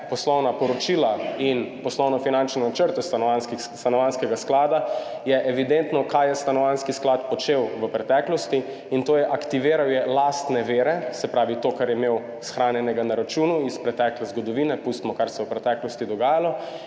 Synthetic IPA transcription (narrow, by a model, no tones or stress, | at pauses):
pɔslɔwnapɔɾɔt͡ʃilainpɔslɔwnɔfinant͡ʃnɛat͡ʃəɾt̪ɛst̪anɔanski | st̪anɔʋanskɛɡasklaːd̪ajɛʔɛʋid̪ent̪nɔkajɛst̪anɔʋanskisklat̪pɔt͡ʃewʋəpɾɛt̪ɛːklɔst̪i | int̪oːjɛʔakt̪iʋeːɾawjɛlaːst̪nɛʋeːɾɛsɛpɾaːʋit̪oːkaɾjɛmew | sxɾaːnjɛnɛɡanaɾat͡ʃunuispɾɛt̪ɛːklɛzɡɔd̪ɔʋinɛpust̪mɔkaɾsɛwpɾɛt̪ɛklɔst̪id̪ɔɡaːjalɔ